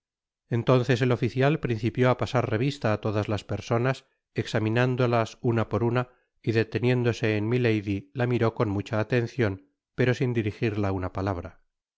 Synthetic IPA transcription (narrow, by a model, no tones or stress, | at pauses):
e̞nt̪o̞n̟θe̞se̞lo̞fiθjalpɾin̟θipjo̞apasaɾre̞β̞ist̪aːt̪o̞ðazlaspe̞ɾso̞nas | eksamĩnand̪o̞lasunapo̞ɾuna | iðe̞t̪e̞njẽ̞nd̪o̞se̞ːnmile̞jðilamiɾo̞ko̞nmut͡ʃaːt̪e̞n̟θjo̞n | pe̞ɾo̞sind̪iɾixiɾlaunapalaβ̞ɾa